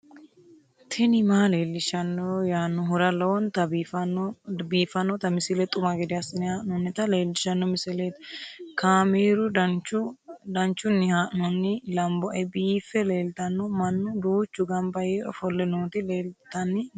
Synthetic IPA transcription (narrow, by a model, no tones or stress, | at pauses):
t̪ʰɛnɪmaːleːlːɪʃɐnːɔjaːnːʊɦʊɾɐlɐwɔnt̪ɐf | biːfɐnːɔt̪ɐmɪsɪlɛt̪ʼʊmɐɡɛd̪ɪɐsɪnɪhaːʔnɔnːɪt̪ɐle̞ːlːɪʃɐnːɔmɪsɛleːt̪kʰaːmeːɾʊɐt͡ʃʊd̪ɐnt͡ʃːʊnːɪhaʔnɔnːɪlɐmbɔʔɛbiːfɛleːlt̪ɐnːɔmɐnːʊd̪uːt͡ʃːʊɡɐmbɐjeːʔɔ̰fɔlːɛnoːt̪ɪleːlt̪ɐnːɪ